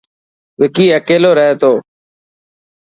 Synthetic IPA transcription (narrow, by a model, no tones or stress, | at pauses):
ʋɪkiːəkeːloːɾəɦeːt̪oː